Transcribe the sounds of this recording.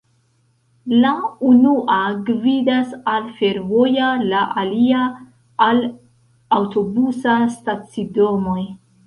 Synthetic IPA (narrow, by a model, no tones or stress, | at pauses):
launuʔaɡvidasalfe̞ɾvo̞jalaʔaliaː | l | awto̞busastat͡sido̞moj